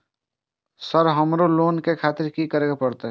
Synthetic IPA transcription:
səɾɦəmɾoloːnkekʰaːt̪ɪɾkikəɾeɡapəɾt̪eɦ

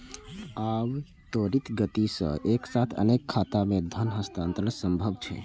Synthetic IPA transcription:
ab | t̪oɾit̪ɡət̪isə̰̃ʔeksat̪ʰə̰nekʰːat̪amed̪ʱənɦəst̪ant̪ɾənsəmbʱəbt͡ʃʰɛ̰

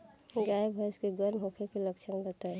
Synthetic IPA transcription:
ɡaebʱəskeɡəɾmɦõkʰekeləkt͡ʃʰənbət̪a

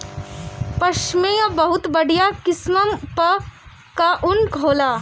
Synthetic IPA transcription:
pɐʃmẽabɐɦʊt̪bɐɽ̤ijakɪsməmpɐ | kaʔʊnɡʱoːlaː

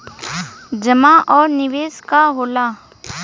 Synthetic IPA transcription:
d͡ʒɐmaʔɔːɾnɪʋeːskaɦoːlaː

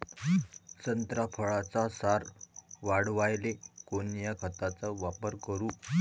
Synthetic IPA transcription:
sənt̪ɾapʰəɭat͡sasaɾʋaɽʋajlekonjakʰət̪at͡səʋapəɾkəɾuː

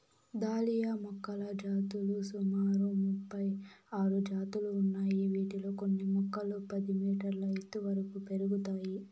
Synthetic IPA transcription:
d̪aːlijamɔkːɐlɐd͡ʒaːt̪ulusumaːɾumupːɐjaːɾud͡ʒaːt̪uluːnːaːjiʋiːʈilo̞ːkonːimɔkːɐlupɐd̪imiːʈɐɾlɐjet̪ːuʋɐɾɐkupe̞ɾuɡut̪aːji

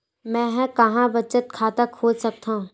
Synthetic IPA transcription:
mɛ̃ːɦɛ̃kɐɦãbət͡ʃət̪̚kʰaːt̪akʰoːd͡ʒsɐk̚t̪aũ

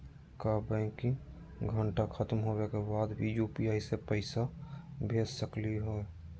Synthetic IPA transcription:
kabɛ̃kĩŋ | ɡʱəɳʈakʰət̪mɦoːwekebaːd̪bijuːpiaːisepəɪsabʱeːd͡ʒsəkliɦo

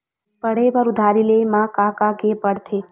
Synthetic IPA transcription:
pəɽeʋəɾud̪ʱaɾilemãkakakepəɽt̪ʰeː

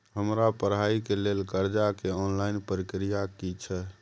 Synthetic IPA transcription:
ɦəmɾapəɾɦaikelelɡəɾd͡ʒakeɔnlaɪnpəɾikɾijakit͡ʃʰɛ

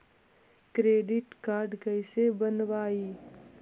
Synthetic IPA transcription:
kɾeːɖɪʈkaːɾɖkəɪsebənʋaːiː

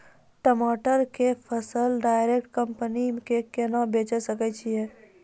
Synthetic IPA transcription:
ʈəmaːʈəɾkepʰəsəlɖaːɪɾekʈ̚kə̃mpənikekenabeːt͡ʃɛsəkɛt͡ʃʰiɛː

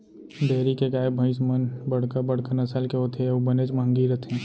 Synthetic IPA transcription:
d̪eːɾikeɡaːebʱə̃ɪsmənbɐɽ̤kabɐɽ̤kəɾnɐsəlkeɦot̪ʰeɐbəned͡ʒmə̃ŋɡiɾət̪ʰɛ̃ː

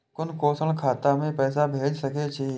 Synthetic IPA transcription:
kʊnkoːsəɭkʰaːt̪amẽpɛːsabʱeːd͡ʒsɐket͡ʃʰi

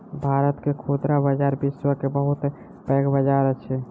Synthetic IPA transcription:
bʱaɾət̪kekʰod̪ɾabəd͡ʒaɾbiswəkebəɦut̪ | pɛɡbəd͡ʒaɾət͡ʃʰɛ

